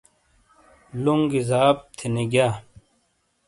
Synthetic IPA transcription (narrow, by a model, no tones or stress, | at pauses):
luŋɡizaːp̚t̪ʰineɡjaː